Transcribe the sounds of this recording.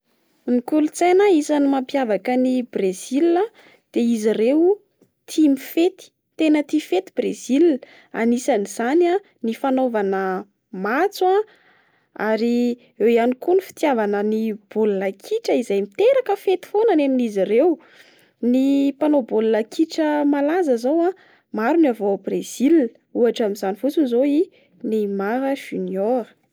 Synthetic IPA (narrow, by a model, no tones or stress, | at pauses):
nikulut͡sanaisanimampjavakənibrezila | d̪̥eizirew | t̪ʰimifet̪i̥ | t̪enət̪ifet̪ibrezil | a̰nisaniz̥ana | nifanovanə | mat͡swa | aɾi | ewianikunifi̥t̪javanənib̥ollakʰiʈ͡ʂəizajmit̪eɾakəfet̪i̥fonaneninizirew | nipanobollakʰiʈ͡ʂəmalazəzowa | maɾunavobrez̥il | uaʈ͡ʂamizanifut͡sunizoi | nimaɾəʒyniɔɾ